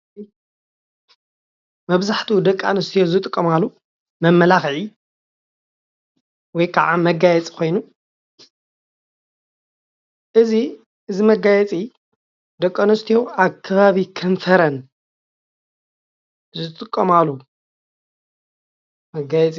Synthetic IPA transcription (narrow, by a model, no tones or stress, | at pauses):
mɐβzaħt̪ʰud̪ɐkʼːa̰nɐst̪ʰijozɨt̪ʼɨkʼːɐmalːu | mɐmːɐlaxʕi | wɔjkʰaʕamɐɡajɛt͡sʼi̥kʰo̞jnu | ʔɨzi | ʔɨzimɐɡajɛt͡sʼi | d̪ɐkʼːanɐst̪ʰijoaβkʰɐβaβikʰɨnfɐɾɐn | zɨt̪ʼɨkʼːɐmalu | mɐɡajɛt͡sʼi